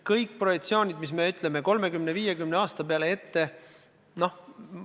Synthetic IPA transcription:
kɤjkːpro̞jekt̪sio̞ːnʲid̪mismeyt̪ˑleme̞ko̞lme̞kymneviːjekymneɑːst̪ɑpeɑlee̞t̪ːe̞ | no̞h

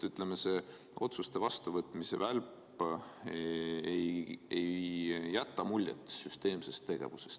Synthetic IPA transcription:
yt̪ˑle̞me̞seː | o̞t̪sust̪e̞vɑst̪uvɤt̪ːˑmise̞̰vælp | ejejjæt̪ːɑmulʲːjḛt̪ˑːsyst̪e̞ːmse̞st̪ːe̞ɡ̥e̞̰vuse̥st̪

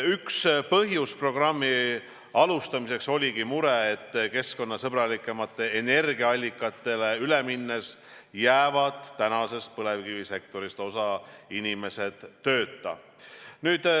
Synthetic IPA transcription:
ykspɤɦjuspro̞ɡ̥rɑmːi | ɑlust̪ɑmise̞kso̞lʲiɡimuɾeet̪ːke̞sko̞nːɑsɤb̥rɑlikːˑemɑt̪ːˑe̞ene̞rɡiɑɑlʲːikːˑɑt̪ːˑe̞le̞yleminːes | jæːvɑd̪̥t̪ːænɑse̞st̪̚pɤle̞vɡivise̞k̚t̪o̞ɾist̪o̞sɑinime̞se̞d̪̥ːø̞ːt̪ːˑɑ̰ | nyːd̪̥

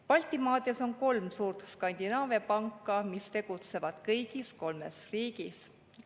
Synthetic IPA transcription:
pɑlʲt̪ˑimɑːd̪eso̞nko̞lmsuːrt̪skɑnʲd̪̥ʲinɑːvepɑŋkˑːɑmist̪e̞ɡ̥ut̪se̞vɑd̪̥kɤjɡisko̞lmḛsriːɡis

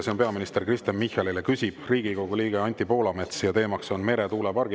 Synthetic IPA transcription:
seonpe̞ɑminist̪e̞rkrist̪ɑnmihɑlilekysʲib̥riːɡ̥iko̞ɡ̥uliːɡ̥eɑnʲt̪ʲːipo̞ːlɑme̞t̪sjɑt̪e̞ːmɑkso̞nme̞ɾet̪uːlepɑrɡ̥

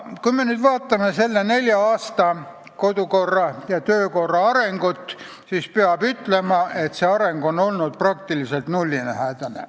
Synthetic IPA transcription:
kujme̞nyːd̪vɑːt̪ːˑɑme̞se̞lːene̞lʲjɑɑːst̪ɑ | ko̞d̪̥uko̞rːɑjɑt̪øːko̞rːɑɑɾe̞ŋɡ̥ut̪ːˑ | siːspeɑbyt̪le̞mɑʔe̞t̪seɑɾe̞ŋɡo̞no̞lnud̪̥̚prɑk̚t̪ilise̞lt̪nulʲːinæhæːd̪̥ɑnḛ

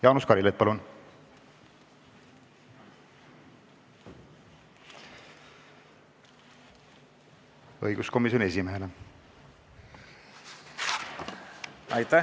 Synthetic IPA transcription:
jɑːnuskɑɾilet̪̚pɑlun | ɤjɡ̥usko̞mis̬jonie̞simeɦe̞le | ɑjt̪æ

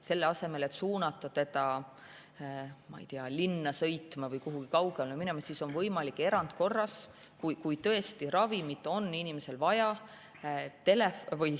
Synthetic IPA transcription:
se̞lːeɑse̞me̞le̞t̪suːnɑt̪ːˑut̪e̞t̪ɑ | mɑ̰j̰t̪iɑlinːɑsɤ̞jt̪mɑvɤjkuɦuɡ̥ikɑwɡ̥ememinemɑsiso̞nvɤjmɑlikːˑe̞ɾɑnd̪̥̚ko̞rːɑs | kujkujt̪ɤ̞e̞st̪iɾɑvimit̪ːˑo̞nːinimese̞lvɑjɑ | t̪e̞lefvɤj

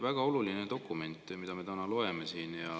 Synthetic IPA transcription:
væɡ̥ɑo̞lulinet̪o̞kːume̞nt̪ːˑmid̪ɑme̞t̪ænɑlo̞e̞mesiːnjɑ

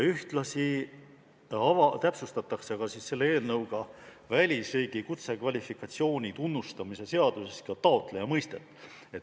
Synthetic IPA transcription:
yht̪lɑsi | ɑvɑt̪æpsust̪ɑt̪ːˑɑkseɑɡ̥ɑsisːe̞lːee̞ːlnɤwɡ̥ɑ | vælʲisriːɡ̥ikut̪se̞kvɑlʲifikːˑɑt̪ʲsio̞ːnʲit̪unːust̪ɑmise̞se̞ɑd̪̥useskɑt̪ɑo̞t̪ˑle̞jɑmɤjst̪e̞t̪ːˑ | e̞t̪ː

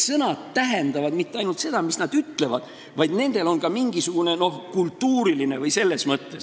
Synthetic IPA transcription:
sɤnɑt̪ːæɦe̞nd̪̥ɑvɑd̪mit̪ːˑeɑjnult̪se̞d̪̥ɑmisnɑd̪̥yt̪le̞vɑd̪̥ | vɑjd̪̥ne̞nd̪̥e̞lo̞nkɑmiŋɡisuɡ̥une̞no̞hkult̪ːuːɾiline̞vɤjse̞lːe̞smɤt̪ːe̞s

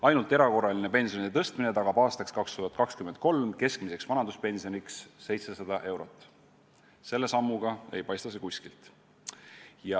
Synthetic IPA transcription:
ɑjnult̪ːˑe̞ɾɑko̞rːɑline̞pe̞nsionid̪et̪ɤst̪mine̞t̪ɑɡ̥ɑb̥ɑːst̪ɑkskɑkst̪uhɑt̪̚ˑkɑkskymend̪̥̚ko̞lmke̞skmise̞ksvɑnɑnd̪uspe̞nsio̞niksːe̞jt̪se̞sɑd̪̥ɑʔe̞wɾo̞t̪ˑː | se̞lːe̞sɑmːuɡ̥ɑe̞̰jpɑjst̪ɑsekuskilt̪ | jɑ

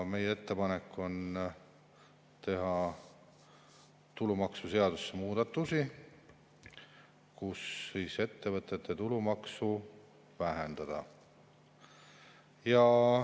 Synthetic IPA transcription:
me̞jee̞t̪ːe̞pɑne̞kːˑo̞n | t̪e̞ɦɑ | t̪ulumɑksuse̞ɑd̪̥usːemuːd̪̥ɑt̪ːˑusi | kusːijse̞t̪ːe̞vɤt̪ˑːe̞t̪ːˑet̪ulumɑksu | væɦend̪̥ɑd̪̥ɑ̰ | jɑ

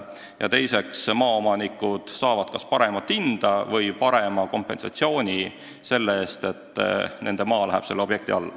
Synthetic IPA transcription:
jɑ̰t̪e̞jse̞ksmɑːomɑnikːˑud̪̥sɑːvɑd̪̥kɑspɑɾe̞mɑt̪ːind̪̥ɑvɤjpɑɾe̞mɑko̞mpːe̞̰nsɑ̰t̪sio̞ːnʲi | se̞lːeeːst̪e̞t̪ːne̞nd̪̥e̞mɑːlæɦɛb̥se̞lːobje̞k̚t̪iɑlːɑ

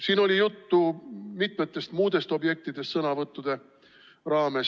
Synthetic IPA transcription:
siːno̞lʲijut̪ːumit̪met̪ːˑe̞st̪muːd̪̥e̞st̪o̞bje̞k̚t̪id̪̥est̪sɤnɑvɤt̪ːud̪̥e̞ | rɑːme̞s

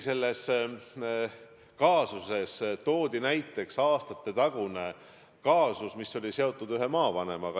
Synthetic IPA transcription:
se̞lːe̞s | kɑːsuse̞st̪o̞ːd̪̥inæjt̪ːˑe̞ksɑːst̪ɑt̪ːˑe̞t̪ɑɡ̥une̞ | kɑːsusmisːo̞lʲise̞o̞t̪ˑːud̪yɦe̞mɑːvɑne̞mɑɡɑ

